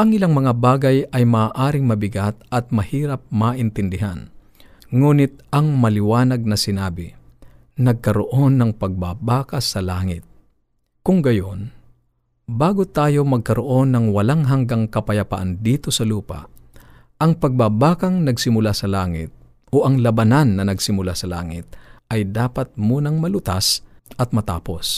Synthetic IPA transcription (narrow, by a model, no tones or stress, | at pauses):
ʔɐŋɪlaŋmɐŋabaːɡɐjɐjmaːʔaːɾɪŋmɐbɪɡat̪̚ʔɐt̪̚mɐhiːɾɐp̚maːʔɪnt̪ɪnd̪ɪɦa̰n | ŋuːnɪt̪̚ʔɐŋmɐlɪwaːnɐɡ̚nɐsɪnaːbɪ | nɐɡ̚kɐɾoʔo̞nːɐŋpɐɡ̚baːbaːkɐsɐlaːŋɪt̪̚ | kʊŋɡɐjo̞n | baːɡot̪aːjo̞mɐɡ̚kɐɾoʔo̞nːɐŋwɐlaŋɦɐŋɡaŋkɐpɐjɐpa̰ʔand̪iːt̪osɐluːpa̰ | ʔɐŋpɐɡ̚babaːkɐŋnɐɡsɪmʊlasɐlaːŋɪ̰t̪̚ | oʔɐŋlɐbɐnanːɐnɐɡsɪmʊlasɐla̰ːŋɪ̰t̪̚ʔɐjd̪aːpɐt̪̚muːnɐŋmɐlʊt̪asʔɐt̪̚mɐt̪aːpo̞s